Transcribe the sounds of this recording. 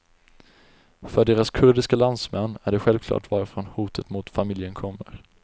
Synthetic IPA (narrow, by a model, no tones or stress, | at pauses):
fœɖeːɾaskʰɵɾɖɪskaland̪smɛnːæɖɛɧɛlvkʰlɑ̰ːʈvɑːɾəfɾɔnhuːt̪ʰət̪mʊt̪famɪljənkʰɔmːə̰ɾ